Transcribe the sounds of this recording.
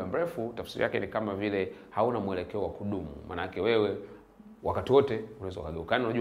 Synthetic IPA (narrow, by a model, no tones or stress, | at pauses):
am̩ɾɛfutafsiɾḭakɛnikamavilɛhaunamuɛlɛkɛɔwakuɗumṵmʔa̰naakɛwɛwɛ | wakatiwɔtɛunawɛzaṵkaɡɛukaaninaʄu